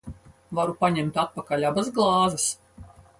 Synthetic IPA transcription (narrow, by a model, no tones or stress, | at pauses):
vaɾupaɲɛmt̪at̪̚pakalʲabasɡlˠɑːzɛs